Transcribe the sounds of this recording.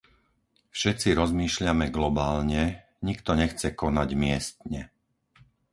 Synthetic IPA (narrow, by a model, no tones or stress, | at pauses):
fʃɛt͡siɾɔzmiːʃlɪamɛɡlɔbaːlɲɛ | ɲikt̪ɔɲɛxt͡sɛkɔnaɟmɪɛst̪̚ɲɛ